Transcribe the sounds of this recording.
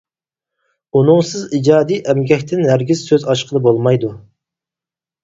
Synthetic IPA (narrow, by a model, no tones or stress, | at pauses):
unʊŋsɨzid͡ʒɑːd̪ijʔɛmɡʲɛkʲt̪ʰɪnɦæɾɡʲiz̥søzɑʃqʰəd̪ˠɨbolˠmɑjd̪u